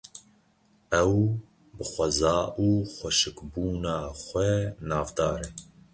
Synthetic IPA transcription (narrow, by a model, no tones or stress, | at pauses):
ɛw | bɨxʷɛzɑːʔuːxʷɛʃɨkbuːnɑːxʷɛnɑːvd̪ɑːɾɛ